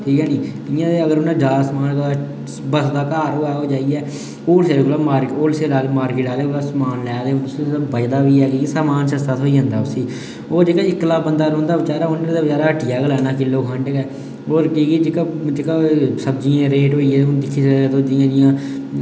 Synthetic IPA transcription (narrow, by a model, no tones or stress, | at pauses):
ʈʰiːkɛːniː | ɪjãːeəɡəɾʊnãːd͡ʒaːsəmaːnt̪o | bəsd̪aːkaːɾoːɛːoːd͡ʒaːiːɛː | oːlseːɾɡolaːmaːɾkoːlseːaːlemaːɾkiːʈaːleːlaːsəmaːnlɛːd̪eːõːʊsebəd̪aːʋiːɛːkikːsaːmaːnsəst̪aːt̪ʰoːiːə̃ːnd̪aːʊsiː | oːɾd͡ʒekaːɪkːlaːbənd̪aːɾõːnd̪aːʋɪt͡ʃaːɾaːʊnːəɾd̪eːʋəd͡ʒaːɾaːəʈɪjaːkəlɛːnãːkɪlːoːkʰəɳʈkɛː | oːɾkiːkid͡ʒɪkad͡ʒekaːsəbd͡ʒiːãːɾeːʈɦoːiːɛːd̪ɪkʰːiːst̪oːd͡ʒɪjãːd͡ʒɪjãː